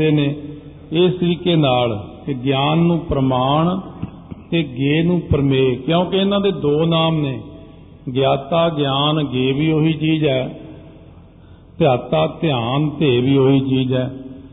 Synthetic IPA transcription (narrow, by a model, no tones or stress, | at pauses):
eːneː | ɪsɾiːkeːnaːl | ɡjaːnːũːpɾəmaːɳ | t̪eːɡeːnũːpəɾmeːkjõːkɪɪnãːd̪eːd̪oːnaːmneː | ɡjaːt̪aːɡjaːnɡeːʋiːɦoːiːt͡ʃiːd͡ʒɛː | t̪ɪjaːt̪aːt̪ɪjaːnt̪eːʋiːɦoːiːt͡ʃiːd͡ʒɛː